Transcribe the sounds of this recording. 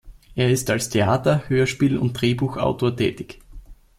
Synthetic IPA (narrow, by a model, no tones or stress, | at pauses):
ʔeːɐɪstalstʰeaːtɐhøːɐʃpiːlʊ̰nt̚d̥ʁeːbuːxʔa̰ʊtʰoːɐtʰɛ̰ːtɪç